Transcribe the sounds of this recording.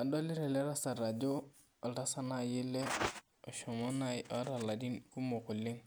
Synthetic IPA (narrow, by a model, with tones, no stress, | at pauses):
a˨dɔ˦li˦ɾɛ˨lɛ˦ɾa˦sa˨ɾa˨d͡ʒo˦ | a˨lɾa˦sa˦na˨jɪ˦lɛ˦ | ɔ˨ʃɔ˨mɔ˦na˦jʔɔ˦ɾa˨la˨di˦nku˦mo˨kʊ˨lɪ˦ŋ